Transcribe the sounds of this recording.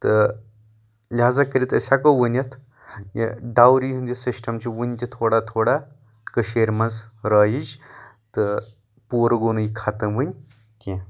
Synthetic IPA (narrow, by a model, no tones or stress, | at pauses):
t̪ɨ | lʲɦaːzakəɾʲit̪ə̰sʲakoʋɨnʲɐt̪ʰ | jḛɖawɾiɦɨnd͡ʒisisʈɐmt͡ʃiʋɨnʲt̪ʲit̪ʰoːɽat̪ʰoːɽa | kəʃeːɾmɐnzɾaːjid͡ʒt̪ɨ | puːɾɡoːnɨjikʰat̪ɐnʋɨnʲ | kʲe